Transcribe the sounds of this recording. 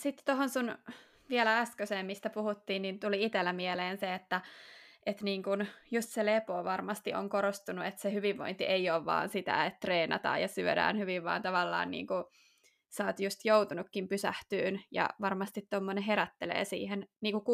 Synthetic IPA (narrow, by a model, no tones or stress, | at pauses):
sit̪ːt̪oɦonsun | ʋielææskøseːmmist̪æpuhut̪ːiːnnint̪uliit̪elːæmieleːnseet̪ːæet̪niːŋkunjust̪selepoːʋɑrmɑst̪iʔoŋkoɾost̪unuet̪sehyʋiʋːo̰int̪iʔeioːʋʋɑ̰ːnsit̪æ̰et̪t̪reːnɑ̰t̪ɑ̰ːjɑsyø̰ɾæ̰ːnhyʋiʋʋɑ̰ːnt̪ɑʋɑlːɑ̰ːnnḭːŋku | sɑːt̪just̪jout̪unukːimpysæht̪yːnjɑ̰ʋɑrmɑst̪it̪t̪omːoneɦeɾæt̪ːelḛːsḭːhenniːŋkuk